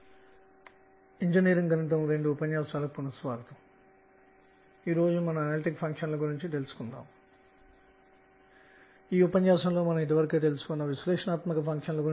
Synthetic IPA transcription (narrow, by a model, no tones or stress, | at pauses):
iɲd͡ʒiniːɾiŋɡɐnɐnt̪̬ɐmɾe̞ɳɖuːpɐɲjaːsaːlɐpunɐsʋaːɡɐt̪ɐm | iːɾo̞ːd͡ʒumɐnɐmɐnaːliʈikpʰɐŋkʂɐnlɐɡuɾiɲt͡ʃit̪e̞lusu̥kund̪a̰ːm | iːupɐɲjaːsɐnlo̞ːmɐnɐmid̪̬iʋɐɾɐket̪̬e̞lusu̥konːɐʋisleːʂɐnaːt̪mɐkɐpʰɐŋkʂɐnlɐɡuɾi